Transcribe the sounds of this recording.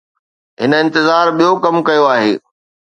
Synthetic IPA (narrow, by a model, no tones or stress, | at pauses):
ɦɪnəɪ̃nt̪ɪzaːɾɓijokɐmkɐjoaːɦeː